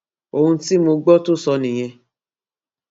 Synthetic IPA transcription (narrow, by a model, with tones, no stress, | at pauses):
o˦˨hũ˧ti˦mo˧ɡ͡bɔ˦to˦˨sɔ˧nĩ˨j̃ɛ̃˧